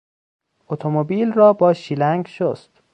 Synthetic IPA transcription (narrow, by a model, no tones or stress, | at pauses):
ʔot̪ʰomobiːlrɒːbɒːʃilæŋɡʃost̪